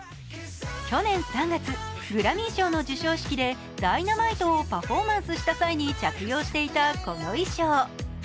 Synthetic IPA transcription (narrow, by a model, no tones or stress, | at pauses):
kʲo̞nẽ̞ɰ̃sãŋɡat͡sɨɡɯ̟ɾamʲĩɰ̃ɕo̞ːno̞d͡ʑɨɕo̞ːɕi̥kʲid̪e̞ | d̪̥ainamait̪o̞ːpaɸo̞mãɰ̃sɨɕi̥t̪asaiɲ̟it͡ɕakɯ̟jo̞ːɕi̥t̪e̞it̪ako̞no̞iɕoː